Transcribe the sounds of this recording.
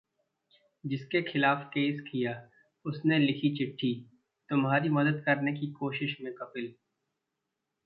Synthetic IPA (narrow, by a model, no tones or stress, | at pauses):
d͡ʒɪskexɪlaːfkeːskija | ʊsnelɪkʰit͡ʃɪʈʰːi | t̪ʊmɦaːɾimɐd̪əd̪kɐɾnek̬ikoːʃɪʃmẽkɐpɪl